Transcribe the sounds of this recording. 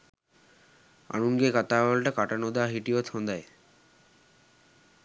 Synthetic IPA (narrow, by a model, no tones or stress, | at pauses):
a̰nunɡekat̪awalʈakaʈanod̪aɦiʈiot̪ʰond̪ae